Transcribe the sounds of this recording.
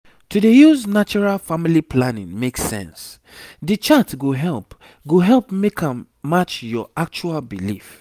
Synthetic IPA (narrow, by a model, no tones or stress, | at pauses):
tudejuznat͡ʃɔɹalfamilipʰlanḭ̃ŋmeksɛ̰̃ns | dit͡ʃatɡoɦɛlp | ɡoɦɛlpmekʰãmː | at͡ʃjɔʔak̚t͡ʃualbilif